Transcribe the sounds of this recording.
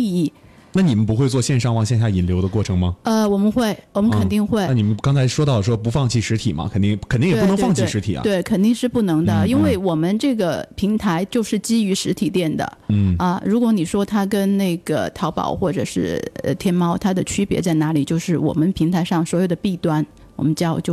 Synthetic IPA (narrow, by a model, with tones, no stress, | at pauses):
i˥˧i˥˩ | na˥˩ni˨˩mə˦np̬u˧˥xwe˧wɔ˥˧ɕjɛ˥˧nʂɑ˥˧ŋwɑ˥˧ŋɕjɛ˥˧nɕja˥˩i˨˩nljo˧˥ʊd̪ə˧kwɔ˥˩ʈ͡ʂʰɤ˧˥ŋmɐ˧˩ə˧wɔ˨˩mə˦nxwe˥˩ɪwɔ˨˩mə˦nkʰə˨˩nt̪i˥˧ŋxwe˥˩ɪa˥˩ni˨˩mə˦nkɑ˥ŋt͡sʰa˧˥ɪʂwɔ˥t̪ɑ˥˩ʊ˩ʂwɔ˥pu˧˥fɑ˥˧ŋt͡ɕʰi˥˩ʂɻ̩˧˥t̪ʰi˨˩mɐ̰˦kʰnt̪i˥˩kʰnt̪i˥ŋ˨˧˥p̪ɤ˧˥fɑ˥˧ŋt͡ɕʰi˥˩ʂɻ̩˧˥t̪ʰḭ˨˩ɐ̰˦t̪we˥˩ɪkʰə˨˩nt̪i˥˧ŋʂɻ̩˥˧pu˥˩nɤ˧˥ŋd̪ə˧i˥nwe˥˩ɪwɔ˨˩mə˦nʈ͡ʂɤ˥˩ɡə˩pʰi˧˥ŋt̪ʰa˧˥ɪt͡ɕjo˥˧ʊʂɻ̩˥˩t͡ɕi˥y˧˥ʂɻ̩˧˥t̪ʰi˨˩t̪jɛ˥˩nd̪ə̰˩n̩˥˩ɐ˧ɻu˧˥kwɔ˧˥ni˨˩ʂwɔ˥t̪ʰa˥kə˥nne˥˩ɪɡ̥ə̰˩t̪ʰɑ˧˥ʊpɑ̰˨˩ʊxwɔ˥˩ʈ͡ʂɤ̰˨˩ʂɻ̩˥˩ə̰˧t̪ʰjɛ˥nmɑ˥ʊt̪ʰa˥d̪ə˨t͡ɕʰy˥pjɛ̰˧˥t͡sa˥˩ɪna˧˥li˨˩t͡ɕjo˥˧ʊʂɻ̩˥˩wɔ̰˨˩mə˦npʰi˧˥ŋt̪ʰa˧˥ɪʂɑ˥˩ŋswɔ˧˥jo˨˩ʊd̪ə˦pi˥˧˩t̪wa˥˩n | wɔ˨˩mə˦nt͡ɕjɑ˥˧ʊt͡ɕjo˥˧ʊ